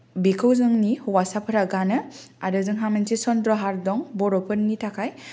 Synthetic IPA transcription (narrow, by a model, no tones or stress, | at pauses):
bikʰɯwzɯŋnihuwasapʰɯɾaɡanɯ | aɾɯzɯŋɦamensisɔndɾɔɦaɾdɔŋbɔɾɔpʰɯɾnːitʰakʰaj